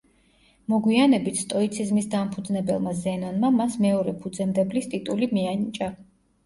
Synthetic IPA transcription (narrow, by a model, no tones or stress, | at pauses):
mɔɡwianɛbit̪ʰt̪ʼɔit̪sʰizmisd̪ampʰud̪znɛbɛlˠmazɛnɔnmamasmɛɔɾɛpʰud̪zɛmd̪ɛblist̪ʼit̪ʼulimianit͡ʃʼa